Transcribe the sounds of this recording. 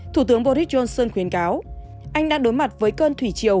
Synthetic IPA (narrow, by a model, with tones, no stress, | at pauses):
t̪ʰu˧˩t̪ɨ˨˦əŋɓo˧ɾi˦˥t̚t͡ɕo˧nsəː˧nxwi˨˦ənkaː˨˦w | ʔa˧jŋɗaː˧˥ŋɗo˨˦jma˨˩t̚vəː˨˦jkəː˧nt̪ʰwi˧˩t͡ɕi˧˨əw